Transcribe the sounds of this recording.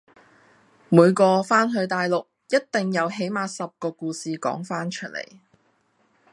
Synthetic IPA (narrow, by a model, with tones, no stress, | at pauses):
muː˨˧jkɔː˧faː˥nɦɵ˧ɥt̪aː˨jlʊ˨k̚jɐ˥t̚t̪ɪ˨ŋjɐ˨˧wɦe˨˥jmaː˨˧sɐ˨p̚kɔː˧kuː˧siː˨kɔ̰ː˨˥ŋfaː˥nt͡ʃʰɵ˥t̚lḛ˨˩j